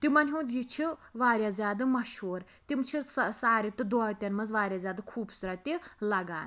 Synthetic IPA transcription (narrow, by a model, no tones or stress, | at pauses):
t̪imɐnʲɦũd̪jit͡ʃʰiʋaːɾʲjazʲjaːd̪ɨmɐʃoːɾt̪imt͡ʃʰissaːɾit̪ɨd̪ɔt̪ʲɐnmɐzʋaːɾʲjazʲjaːd̪ɐkʰuːbsuɾat̪ilɐɡa̰ːn